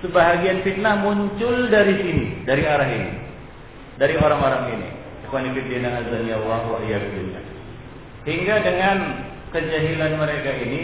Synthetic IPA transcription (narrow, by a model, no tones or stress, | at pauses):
səbaɦaɡianfit̪̚nahmuɲt͡ʃʊldaɾisinidaɾiaɾaɦinḭ | daɾioɾaŋoɾaŋinḭ | səkanikɪt̪̚diadaŋasd̪aniawaɦwaʔijabidunia̰ | hiŋɡadəŋan | kəd͡ʒaɦilanməɾekaini